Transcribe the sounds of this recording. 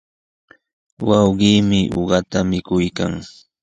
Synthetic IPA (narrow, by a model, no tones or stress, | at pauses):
wɑwɢiːmɪʔo̰ɢɑt̪amɪkʊjka̰ŋ